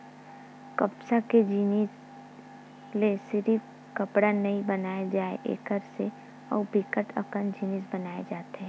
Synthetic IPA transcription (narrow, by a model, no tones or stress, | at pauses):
kɐpsaked͡ʒiːnis | lesɪɾi | kəpɽanɐĩbənaːjad͡ʒaːḛʔḛːkəɾse | ɔ̰ːbɪkəʈʰə̰kənd͡ʒiːnɪs̬bɐnaːed͡ʒaːt̪eɦɛ̃